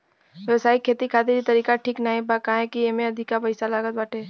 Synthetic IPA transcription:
ʋjɐwsaːikʰeːt̪ikʰaːt̪iɾit̪ɐɾiːkaʈʰiːknaɦĩbakaɦẽkijemẽɐd̪ʱɪkːapɐɪsalaːɡət̪̚baːʈʰeː

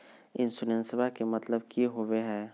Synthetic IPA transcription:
ɪnsʊnẽnsɪbakemɐt̪ləb̚kiɦoweɦɛː

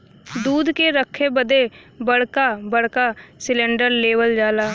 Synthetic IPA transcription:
d̪uːd̪keɾəkʰːebəd̪eː | bəɽkaːbəɽ̤kaːsɪlɛ̃ːɳɖəɾleːʋəld͡ʒaːlaː

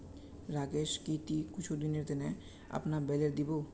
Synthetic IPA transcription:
ɾaɡeʃkit̪ikut͡ʃʰud̪ineɾd̪ene | a̰pnabɛleɾd̪ibo

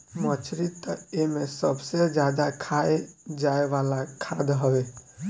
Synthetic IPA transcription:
mət͡ʃʰɾit̪əemẽsəbsed͡ʒjad̪akʰaed͡ʒaeʋalakʰad̪ɦɔwe

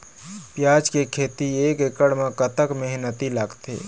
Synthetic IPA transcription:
pjad͡ʒkekʰet̪iekekəɽmekət̪əkmeɦnət̪ilaɡt̪ḛ

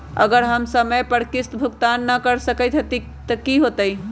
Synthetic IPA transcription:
ə̰ɡəɾɦəmsəməjpəɽkɪst̪bʱukt̪anːəkəɾsəkət̪ɦot̪i | t̪əkiɦot̪əj

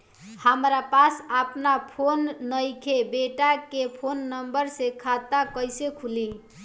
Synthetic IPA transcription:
həmɾapasəpnapʰonːəjkʰebeʈakepʰonːəmbəɾsekʰat̪akəjsekʰuli

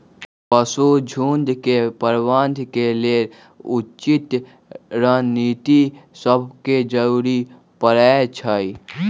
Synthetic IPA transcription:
pəsud͡ʒʱuːnd̪kepəɾwaːnd̪ʱkeleːɾ | ut͡ʃɪt̪ | ɾaːniːt̪isəbʱked͡ʒəɾuːɾi | pəɾaːt͡ʃʰai

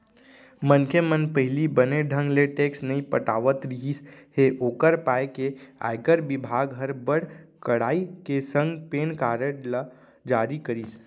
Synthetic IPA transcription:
mənkʰemənpəɦɪlibəneɖʱə̃ŋɡleʈeːksnɐĩpəʈa̰ːʋət̪ɾɪɦiːsheʔoːkəɾpaːekea̰ːɪkəɾbɪbʱaːɡɦəɾbəɽkəɽaːikesə̃ŋɡpeːnkaːɾəʈl | d͡ʒaːɾikəɾiːs

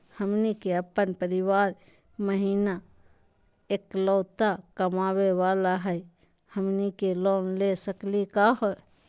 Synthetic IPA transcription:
həmnikeəpːənpəɾɪwaːɾ | məɦiːna | eːklɔːt̪akɐmaːwewaːlaɦɛj | həmnikeloːnlesəklikaːɦo

